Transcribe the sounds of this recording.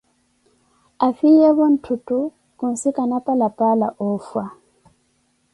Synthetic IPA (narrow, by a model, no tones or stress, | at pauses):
afiɛβon̩tʰutʼu | kun̩sikʼanapʼalapʼalaʔɔːfwa